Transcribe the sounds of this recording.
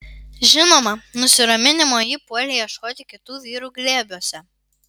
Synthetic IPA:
ʒʲɪnoːmɐnʊsʲɪɾɐmʲɪnʲɪmoːjipuɔlʲɛjɛʃkoːt̪ʲɪkʲɪt̪uːʋʲiːɾuːɡlʲeːbʲuɔsʲɛ

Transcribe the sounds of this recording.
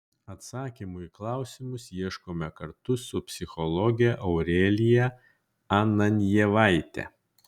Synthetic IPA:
ɐt̪sɑːkʲimʊiklˠɑˑʊsʲɪmʊsjiɛʃkoːmʲɛkɐɾt̪ʊsʊpʲsʲɪxɔlˠɔɡʲɛʔɐʊɾʲeːlʲɪjɛ | ɑnɐnʲjɛʋɑˑɪt̪ʲɛ̰

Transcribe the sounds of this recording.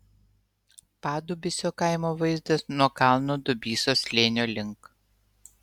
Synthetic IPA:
pɑːd̪ʊbʲɪsʲoːkɑˑɪmoːʋɐɪzʲd̪ɐsnuɔkɑˑlˠnoːd̪ʊbʲiːsoːsʲlʲeːnʲoːlʲɪŋk

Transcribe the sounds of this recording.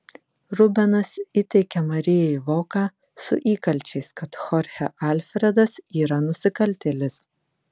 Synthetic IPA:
ɾʊbʲɛnɐsɪt̪ʲɛɪkʲɛmɐɾʲɪjɛɪʋoːkɑː | sʊ̰ʔiːkɐlʲt͡ʃʲɛɪskɐt̪xɔɾʲxʲɛʔɐˑlʲfʲɾʲɛd̪ɐsiːɾɐnʊsʲɪkɐlʲt̪ʲɛlʲɪs

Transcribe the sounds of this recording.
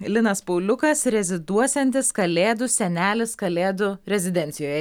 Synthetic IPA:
lʲɪnɐspɔʊlʲʊkɐsɾʲɛzʲɪd̪uɔsʲɛnʲt̪ʲɪskɐlʲeːd̪ʊsʲɛnʲæːlʲɪskɐlʲeːd̪ʊɾʲɛzʲɪd̪ʲɛnʲt̪sʲɪjoːjɛ

